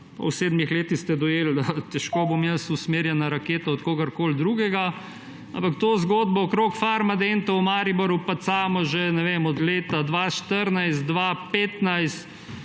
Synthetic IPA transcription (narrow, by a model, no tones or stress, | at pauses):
pɐ̰wseːd̪mixleːt̪ixst̪ɛd̪ɔjeːlt̪ɛʃkobomjəsusmeːɾjɛnaɾakeːt̪aɔt̪koːɡɐɾkoːld̪ɾuɡɛɡa | ampɐkt̪oːzɡoːd̪bɔɔkɾokfaɾmad̪ent̪ɐwmaɾiboɾjupat̪saːmɔʒenɛʋemɔd̪leːt̪ad̪ʋaːʃt̪əɾnajst̪̚d̪ʋapeːt̪najst̪